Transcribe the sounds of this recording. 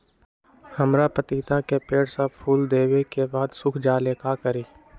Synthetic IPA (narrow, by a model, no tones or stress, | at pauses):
həmɾapət̪iːt̪akepeːɽsapʰuːld̪eːwekebaːd̪sʊkʰd͡ʒaːleːkakəɾiː